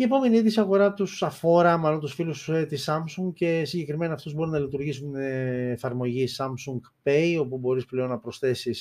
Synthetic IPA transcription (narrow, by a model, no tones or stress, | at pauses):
ie̞po̞me̞niiðisiɐɣo̞ɾɐt̪usɐfo̞ɾɐmɐlo̞nt̪usfiluset̪isɐmsuŋɡce̞siɲɟe̞kɾime̞nɐːft̪uzbo̞ɾunɐlit̪uɾʝisuneːfɐɾmo̞ʝisɐmsuŋɡpejo̞pubo̞ɾisple̞o̞nːɐpɾo̞sθe̞sis